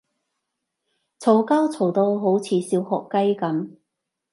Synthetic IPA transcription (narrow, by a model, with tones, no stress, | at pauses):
t͡sʰo˨˧˩wkɐ˥wt͡sʰo˨˩wt̪o˧wɦo˨˥wt͡sʰiː˨˧˥siː˧whɔ̰ː˨kːɐ˥jkɐ˨˥m